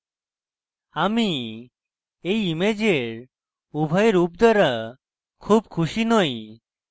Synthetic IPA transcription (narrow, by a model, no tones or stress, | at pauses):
ami | ejimed͡ʒeɾ | ubʱajeɾup̚d̪aɾa | kʰub̚kʰuʃinɔj